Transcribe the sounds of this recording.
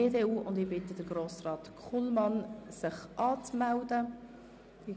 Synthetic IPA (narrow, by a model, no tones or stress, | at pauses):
eːdeːuːʊndɪːbɪtəd̥əɾɡɾoːsrɑːt̪kʰχulmɑnsɪχʔɑːt͡smældə